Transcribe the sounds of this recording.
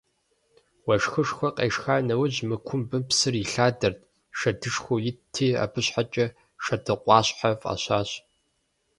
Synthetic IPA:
wɐʂxɨʂxʷɐqʼḛːʂxaːnɐwʊʑmɨkʷʰʊmbɨpsɨrɪɬaːdɐrt̚ʰʼ | ʃɐdɨʂxʷojɪtʰiːa̰pʰɨɕħat͡ʃʼɐ | ʂɐdʰɨqʷʼɑːɕħava̰ːɕaːɕ

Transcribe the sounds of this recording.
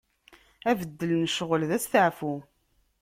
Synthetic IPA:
ævəd̪ːəlnəʃʁəlðæsθəʕfu

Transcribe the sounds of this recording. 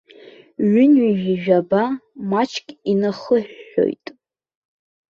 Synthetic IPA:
ɥʏnɥiʒiʒᶣabamat͡ʃʰkʲʼinaχəħːo̞̰jtʼ

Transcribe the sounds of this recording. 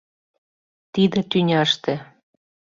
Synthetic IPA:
t̪id̪ĕt̪ynʲɑʃt̪ĕ

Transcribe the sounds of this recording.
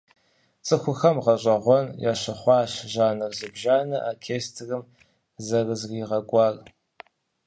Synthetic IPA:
t͡sʼɨxʷʊxɐmʁɐɕʷʼɐʁʷɔnjaːɕɐχʷɑːɕʒaːnɨrzɨbʒaːnɐʔaːkʰeːstʰrɨm | zɐrɨzriːʁɐɡʷʼɑːr

